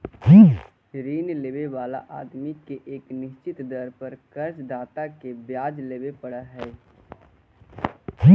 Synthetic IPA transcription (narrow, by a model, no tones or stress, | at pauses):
d͡ʒiː | ɾiːnleːbeʋaːla̰ʔa̰ːd̪mikeʔeːknɪʃt͡ʃɪt̪d̪əɾpəɾkəɾsd̪aːt̪akebjaːd͡ʒleːbepəɽaɦɛː | ɦi